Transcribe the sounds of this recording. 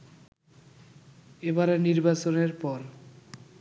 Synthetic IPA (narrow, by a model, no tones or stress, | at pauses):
ebaɾeniɾbat͡ɕoneɾpɔɾ